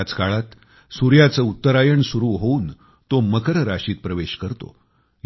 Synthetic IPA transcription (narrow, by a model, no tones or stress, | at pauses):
t͡skaɭat̪ | suɾjat͡səut̪ːəɾajəɳsuɾuːɦouːn | t̪oməkəɾəɾaɕiːt̪̚pɾəʋeɕkəɾt̪o̰